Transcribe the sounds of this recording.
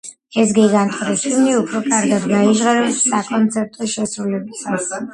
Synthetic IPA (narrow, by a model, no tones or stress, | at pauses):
ɛs̬ɡɛɡant̪ʼχʼɾɛʃivniupʰɾɔkʼaɾɡad̪ɡaiʒʁaɾɛsːakʼɔnt̪sʰɛɾt̪ʼɔʃɛsɾulɛbisas